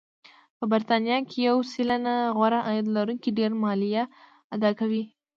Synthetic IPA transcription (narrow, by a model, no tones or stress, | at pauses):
pəbɪɾt̪ɑnjɑkʰʲɪjawsilanaʁwaɾaʔajd̪laɾuŋkʲiɖeɾmɑlija | ad̪ɑkawi